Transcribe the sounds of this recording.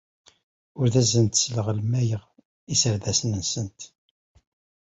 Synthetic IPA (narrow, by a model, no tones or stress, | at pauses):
ʊɾðæzənt̪sləʁlmæjəʁ | isəɾðæsənənsənt̪